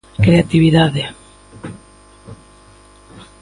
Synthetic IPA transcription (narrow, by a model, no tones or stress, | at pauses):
kɾeat̪iβiðaðe